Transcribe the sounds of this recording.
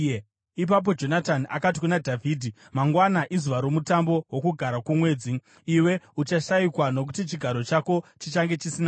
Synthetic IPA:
ip̬ap̬o̞d͡ʒo̞nataniʔa̰kat̬i̥kunadʱavʱiːdʱi | maŋɡwanaʔizuʋaɾo̞mutambo̞wo̞kuɡʱaɾakumwe̞ːd͡ziː | we̞ut͡ʃaʃaikwano̞k̬utit͡ʃiɡʱaɾo̞t͡ʃako̞t͡ʃit͡ʃaŋɡe̞t͡ʃisina

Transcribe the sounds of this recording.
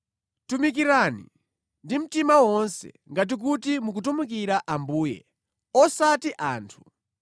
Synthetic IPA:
tumik̬iɾaːnḭ | ndim̩timawɔnsɛ̰ŋɡat̬ik̬utimuk̬utumukiɾaʔambuːjɛ̰ | ɔsatiʔaːntʰu̥

